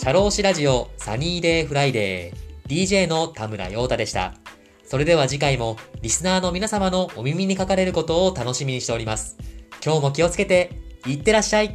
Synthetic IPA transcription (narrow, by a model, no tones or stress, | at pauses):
ɕaɾo̞ːɕiɾaʑio̞sa̰ɲ̟iːd̪e̞ːɸɯ̟ɾaid̪e̞̰ːd̪ʲiːʑe̞ːno̞t̪amɯ̟ɾa̰jo̞ːt̪ad̪e̞ɕi̥t̪a̰ | so̞ɾe̞d̪e̞β̞aʑikaimo̞ɾʲisɨnaːno̞mʲinasamano̞ʔːmʲimʲiɲ̟ikakaɾe̞ɾɯ̟ko̞t̪o̞ːt̪ano̞ɕimʲiɲ̟iɕt̪e̞o̞ɾʲimasɨ̥kʲo̞ːmo̞kʲio̞t͡sɨ̥ke̞t̪e̞it̪ːe̞ɾaɕːai